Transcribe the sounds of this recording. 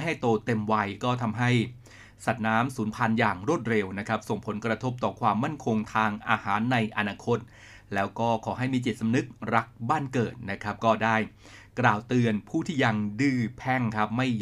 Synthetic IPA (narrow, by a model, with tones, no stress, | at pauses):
ɦa˥˩jt̪oː˧t̪e˧mwa˧jkɔː˥˩t̪ʰa˧mɦa˥˩j | sa˨˩t̪̚naː˦˥msuː˩˦npʰa˧njaː˨˩ŋɾu˥˩ət̪̚ɾe˧wna˦˥kʰa˦˥p̚so˨˩ŋpʰo˩˦nkɾa˧t̪ʰo˦˥p̚t̪ɔː˨˩kʰwaː˧mːa˥˩nkʰo˧ŋt̪ʰaː˧ŋʔa̰ː˧haː˩˦nːa˧jʔa˧naː˧kʰo˦˥t̪̚ | lɛː˦˥wkɔː˥˩kʰɔː˩˦ɦa˥˩jmiː˧t͡ɕi˨˩sa˧mnɯ˦˥k̚ɾa˦˥k̚baː˥˩nkɤː˨˩t̪̚na˦˥kʰɾa˦˥p̚kɔː˥˩daː˥˩j | klaː˨˩wt̪ɯ˧ənpʰuː˥˩t̪ʰiː˥˩ja˧ŋdɯː˥˩pʰɛ˥˩ŋkʰa˦˥p̚ma˥˩j